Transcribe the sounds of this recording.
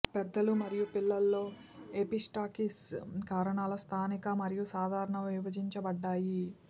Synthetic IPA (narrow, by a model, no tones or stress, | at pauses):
pɛd̪ːɐlumɐɾijupilːɐlːoː | episʈaːkiskaːɾɐɳaːlɐst̪ʰaːnikɐmɐɾijusaːd̪ʱaːɾɐɳɐmʋiʋɐd͡ʒiɲt͡ʃɐbɐɖːaːji